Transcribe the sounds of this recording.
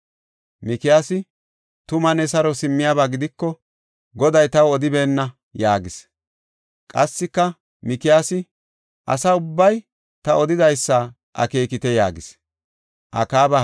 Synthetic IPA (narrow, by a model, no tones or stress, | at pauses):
mɪkɪjaːsɪ | t̪ʊmɐnɛsɐɾɔsɪmːɪjabaːɡɪd̪ɪkːɔ | ɡɔd̪ɐjt̪ɐwɔd̪ɪbeːnːɐ | jaːɡɪs | kʼɐsːɪkːɐ | mɪkɪjaːsɪ | ʔɐ̰sɐʊbːɐj | t̪ɐɔd̪ɪd̪ɐjsːa | ʔɐ̰ke̞ːkɪt̪ɛja̰ːɡɪs | ʔɐ̰kaːbɐ